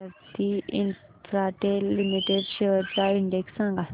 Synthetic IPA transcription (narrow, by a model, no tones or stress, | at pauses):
əɾt̪iḭn | tɾaʈelimiʈeɖʃeʋəɾt͡saiɳɖeksːãŋɡa